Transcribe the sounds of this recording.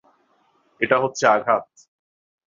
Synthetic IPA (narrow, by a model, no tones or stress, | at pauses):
eʈaɦotːɕʰeaɡʱat̪̚